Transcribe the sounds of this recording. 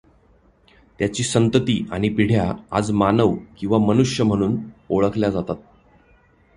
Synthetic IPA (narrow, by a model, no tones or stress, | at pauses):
t̪jat͡ɕiːsənt̪ət̪iːaɽ̃ipiɽ̤ʱjaa̰d͡zmanəʋkĩw̃ʋamənuʂjəm̤əɽ̃uːnoɭəkʰljad͡zat̪at̪̚